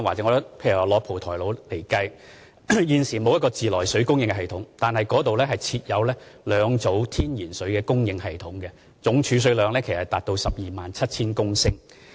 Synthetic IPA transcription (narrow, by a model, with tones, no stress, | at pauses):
waː˨˩t͡sɛ˨˥ŋɔː˨˧˥pʰe˧jy˨˩waː˨˩lɔː˨˧k̚pʰo˨˩wt̪ʰɔː˨˩jlo˨˧˥wle˨˩jkɐ˧j | jiː˨˧nsiː˨˩mo˨˧wjɐ˥kɔː˧t͡siː˨lɔː˨˩jsɵ˨˥ɥkʊ˥ŋjɪ˧ŋkɛ˧ɦɐ˨jt̪ʰʊ˨˥ŋt̪aː˨nhɐ˨jkɔː˨˥t̪o˨wlɛː˥hɐ˨jt͡sʰiː˧t̚jɐ˨˧wlɛː˥lœː˨˧ŋt͡so˨˥wt̪ʰiː˥njiː˨˩nsɵ˨˥ɥkɛː˧kʊ˥ŋjɪ˧ŋhɐ˨jt̪ʰʊ˨˥ŋɡɛ˧ | t͡sʊ˨˥ŋt͡ʃʰyː˨˧s̬ɵ˨˧ɥlœː˨˧ŋlɛː˥kʰe˨˩sɐ˨˩t̪aː˨t̚t̪o˧wsɐ˨p̚jiː˨maː˨nt͡sʰɐ˥t̚t͡sʰiː˥nkʊ˥ŋsɪ˥ŋ